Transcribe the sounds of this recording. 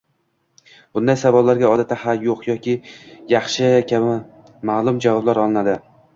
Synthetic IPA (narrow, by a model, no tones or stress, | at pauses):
b̥ʊnd̪ajsavɒllaɾɡʲaɒd̪at̪ʰːahaljoqjɒkʲɪjɑχʃɪkʲʰabɪ | maːlˠʊmd͡ʒavɒblaɾɒlˠɪnad̪ɪ